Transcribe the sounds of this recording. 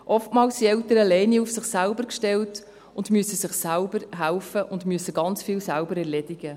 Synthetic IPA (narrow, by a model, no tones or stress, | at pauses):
ʔɔftmɑːlssiɛltəɾəlɛɪniufsɪχsælbəɾkʃtɛlt | ʊndmyəsəsɪχsælbəɾɦælfəʔʊndmyəsəɡɑnt͡sfiːlsælbəɾɛɾlɛdɪɡ̥ə